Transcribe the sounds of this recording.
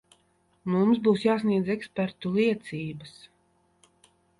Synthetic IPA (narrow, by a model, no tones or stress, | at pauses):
mumsbuːsjaːs̬niɛd̪zɛkspɛɾt̪uliɛt̪sʲiːbas